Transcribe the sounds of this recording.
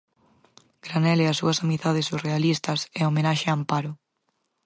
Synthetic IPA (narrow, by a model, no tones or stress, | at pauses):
ɡ̥ɾanɛlɛɐsːuɐsamiðaðesurealist̪ɐsɛomenaʃeaːmpaɾʊ